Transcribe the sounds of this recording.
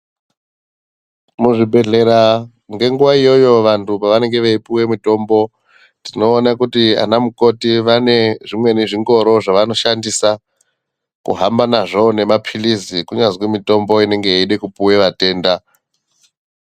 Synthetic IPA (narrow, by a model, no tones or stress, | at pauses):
muʐibʱe̞ɮe̞ɾa | ŋɡe̞ŋɡuʋaijo̞jo̞ʋantʰupaʋane̞ŋɡe̞ʋeipuwe̞mito̞ːmbo̞ | tino̞ːnakutia̰namuko̞tiʋane̞ʐimwe̞niʐiŋɡo̞ɾo̞ʐaʋano̞ʃandisa | kṵɦambanaʐone̞mapʰilizikuɲazwemito̞mbo̞ine̞ŋɡe̞iɗekupuwe̞ʋate̞ːnda